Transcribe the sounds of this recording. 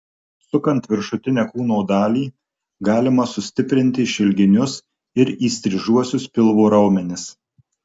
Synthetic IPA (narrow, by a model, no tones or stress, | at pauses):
sʊkɐnt̪ʋʲɪɾʃʊt̪ʲɪnʲɛːkuːnoːd̪ɑːlʲiː | ɡɑːlʲɪmɐsʊsʲt̪ʲɪpʲɾʲɪnʲt̪ʲɪʃʲɪlʲɡʲɪnʲʊs | ɪɾiːsʲt̪ʲɾʲɪʒuɔsʲʊspʲɪlˠʋoːɾɐʊmʲɛnʲɪs